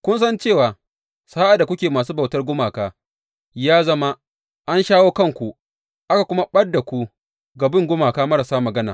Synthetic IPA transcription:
kʷʊ˦ns̬ɐ˦nt͡ʃeː˦˨waː˨ | sa˦ʔa˨da˨kʷʊ˦kʲeː˨maː˨s̬uː˦ba˨wtɐ˦rɡʷʊ˦maː˨kaː˦ | jaː˦zɐ˦ma˦ | ʔa˦nʃaː˦woː˦kɐ˦˨ŋkʷu˨ | ʔa˦ka˨kʷʊ˦ma˦ɓɐ˦rda˨kʷu˦ | ɡa˨bɪ˦ŋɡʷʊ˦maː˨kaː˦mɐ˦ɾa˨saː˦mɐ˨ɡɐ˦naː˨

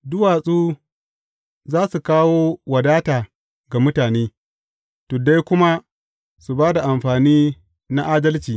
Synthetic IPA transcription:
dʊ˦waː˨sʼuː˦ | zaː˦su˨kaː˦woː˦wɐ˨daː˦taː˨ | ɡa˨mʊ˦taː˨neː˦ | to˨da˦jkʷʊ˦ma˦ | su˨baː˦da˨ʔa˨mɸaː˨niː˦ | na˦ʔaː˦dɐ˦lt͡ʃiː˨

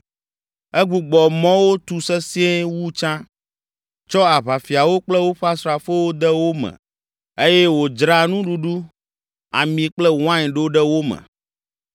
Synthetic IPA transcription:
ɛ˦ɡ͡bu˨ɡ͡bɔ˨mɔ̃˦wo˦t̪u˨sɛ˦si˦e˦wu˦t͡ʃã˦ | t͡ʃɔ˦a˨βa˨fi˨a˨wo˦k͡plɛ˦wo˦ɸa˦sɾɔ˨a˨fe˦wo˦d̪ɛ˦wo˦mɛ̰̃˨ | e˦jɛ˦wo˨d͡ʒɾa˦nũ˦ɖu˦ɖu˦ | a̰˨mĩ˨k͡plɛ˦wã˦ɲ˨ɖo˦ɖɛ˦wo˦mɛ̰̃˨

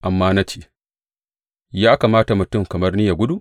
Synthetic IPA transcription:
ʔa˨mːaː˦na˦t͡ʃeː˦˨ | jaː˦ka˨maː˦ta˨mʊ˨tʊ˦˨mkɐ˨mɐ˦rnɪ˦ja˨ɡʷʊ˦du˦ʔ

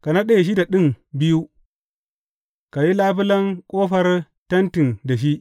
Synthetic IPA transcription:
ka˨na˦ɗe˨ʃ̬i˦da˨ɗi˦ŋbi˦ju˦ | ka˨ji˦laː˦pi˦lɐ˦ŋkʼoː˦ɸɐ˦ɾ | tɐ˦nti˨nda˨ʃ̬i˦

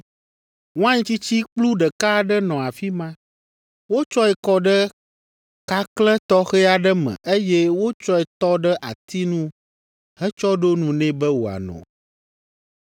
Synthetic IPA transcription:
wõ˦ã˦ɲĩ˦t͡ɕi˦t͡ɕi˦k͡plu˦ɖə˨ka˦ɖə˦nɔ̃˨a˨fi˦mã˦ | wo˦t͡ʃɔ˦ɛ˨kɔ˦ɖə˦ | ka˦klɛ̃˦t̪ɔ˦xɛ˦a˨ɖə˦mɛ̰̃˨ʔe˦je˦wo˦t͡ʃɔ˦ɛ˨t̪ɔ˦ɖə˦ʔa̰˨t̪i˦nũ˦ | hɛ˦t͡ʃɔ˦ɖo˦nũ˨nɛ̃˦bɛ˦wo˨a̰˨nɔ̰̃˨

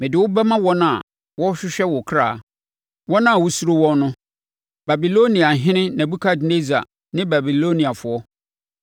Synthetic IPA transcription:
mɪ̃˨dɪ˨wʊ˦bɛ˦mã˦wɔ˦nã˦˨a˨ | wɔ˦ɕᶣɪ˦ɕᶣɛ˦wɔ˨kʰɾa̰˨ | wɔ˦nã˦a˨wʊ˦su˦ɾo˦wɔ̃˦n˦nʊ̃˦ | ba˨bi˨lo˦nĩ˨a˨ɦɪ̃˦nɪ̃˦nã˨bu˦kʰa˦dne˦d͡za̰˨ | nɪ̃˦ba˨bi˨lo˦nĩ˨a˨fʊ˨ɔ˦

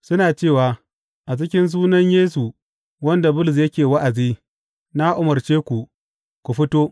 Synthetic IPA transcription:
sʊ˦naː˨t͡ʃeː˦˨waː˨ | ʔa˨t͡ʃɪ˦kʲɪ˦ns̬uː˦nɐ˦ɲjeː˦s̬u˨ | wɐ˦nda˨bʊ˦lʊ˨s̬jɐ˦kʲeː˨wɐ˦ʔa˨ziː˦ | na˦ʔʊ˦mɐ˨rt͡ʃeː˦kʷu˨ | kʷu˨ɸɪ˦toː˦

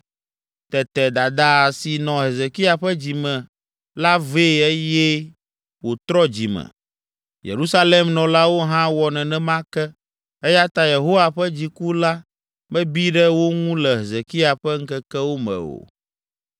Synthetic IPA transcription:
t̪ɛ˨t̪ɛ˨d̪a˨d̪a˦˨si˨nɔ̃˨ɦe˨ze˨ki˦a˨ɸɛ˦d͡ʑi˨mɛ̃˨ | la˦ve˦˨ɛ˦jɛ˦ | wo˨t̪ɾɔ˦d͡ʑi˨mɛ̰̃˨ | jḛ˨ɾu˦sa˦le˦mnɔ̃˨la˦wo˦ɦã˦wɔ˨nɛ̃˨nɛ̃˦mã˦kɛ˦ | ɛ˦ja˦t̪a˦je˨ɦo˦wa˨ɸɛ˦d͡ʑi˨ku˦la˦ | mɛ̃˦bi˦ɖɛ˦wo˦ŋũ˦lɛ˨ɦe˨ze˨ki˦a˨ɸɛ˦ŋ̩˦kɛ˦kɛ˦wo˦mɛ̰̃˨o̰˨

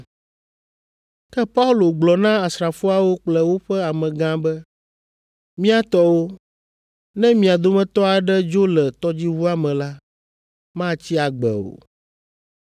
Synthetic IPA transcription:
kɛ˦pa˦u˦lo˨ɡ͡blɔ˨nã˦a˨sɾa˨fo˦a˦wo˦k͡plɛ˦wo˦ɸɛ˦a˨mɛ̃˨ɡã˦bɛ˦ | mĩ˦a˦t̪ɔ˦wo˦ | nɛ̃˦mĩ˨a˨d̪o˦mɛ̃˦t̪ɔ˦a˨ɖɛ˦d͡ʒo˦lɛ˨t̪ɔ˦d͡ʑi˦vu˦a˦mɛ̃˨la˦ | mã˦t͡ɕi˦a˨ɡ͡bɛ̰˨o̰˨

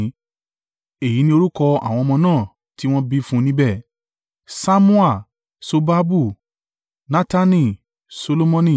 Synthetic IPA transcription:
e˨ji˨˦nĩ˧o˧ɾu˦kɔ˧a̰˦˨w̃ɔ̃˧mɔ̃˧nãː˦˨ | ti˦w̃ɔ̃˦bi˧fũ˦nĩ˦bɛ˦˨ | sa˦mũ˦a˦˨ | so˧ba˦bu˦˨ | nã˦ta˦nĩ˦˨ | so˧lo˦mɔ̃˦nĩ˦˨

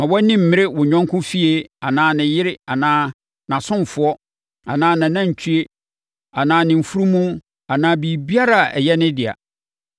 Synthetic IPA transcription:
mã˨wɔ˦nĩ˦m̩˨mɪ̃˦ɾɪ˦wʊ˨ɲᶣɔ̃˦ŋ˦kʰʊ̃˦fi˦e˦a˨nãː˦nɪ̃˨jɪ˦ɾɪ˦a˨nãː˦ | nã˨sʊ̃˦m˨fʊ˨ɔ˦ | a˨nãː˦nã˨nã˦ɲ̩˨t͡ɕʰi˦e˦ | a˨nãː˦nɪ̃˨m̩˨fu˦ɾu˦mũ˦ | a˨nãː˦bi˨bi˦a˦ɾa˨ɛ˨jɛ˦nɪ̃˦dɪ˨a̰˨

